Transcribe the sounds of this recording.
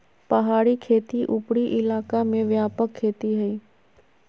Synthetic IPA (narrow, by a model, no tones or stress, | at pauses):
pɐɦaːɾikʰeːt̪iʔʊpɽiʔɪlaːkamẽʋjaːpəkʰːeːt̪iɦɐiː